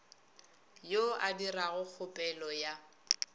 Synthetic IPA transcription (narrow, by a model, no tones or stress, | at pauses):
joadiraɣʊk͡xʰʊpʼɛlɔja